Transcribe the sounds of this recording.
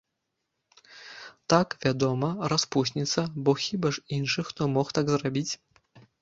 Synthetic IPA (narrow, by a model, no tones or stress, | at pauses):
t̪akvʲad̪ɔmɐraspusʲnʲit̪sɐbɔxʲibaʂinʂɨxt̪ɔmɔxt̪aɡzrabʲit͡sʲ